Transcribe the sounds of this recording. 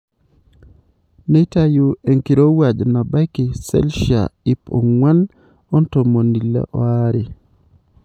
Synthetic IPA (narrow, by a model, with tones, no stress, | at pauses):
ne˦ta˦ju˨e˨ŋki˨ɾo˦wa˨d͡ʒna˨ba˦jki˨sɛ̰˦lʃia̰˨i˦po̰˨ŋwa˦n | o˦nto˨mo˨ni˨lḛ˨˦ʔɔ̰˨˦a˦ɾi˨